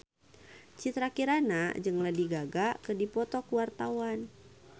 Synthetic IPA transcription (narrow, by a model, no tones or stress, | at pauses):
t͡ʃit̪ɾakiɾanad͡ʒɨŋladiɡaɡakədipɔt̪ɔkuwart̪awan